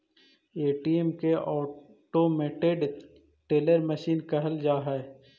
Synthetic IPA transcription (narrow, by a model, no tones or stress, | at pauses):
eːʈiemkeɔː | ʈomeːʈeɖ | ʈeːləɾməʃiːnkɐɦəld͡ʒaːɦɛː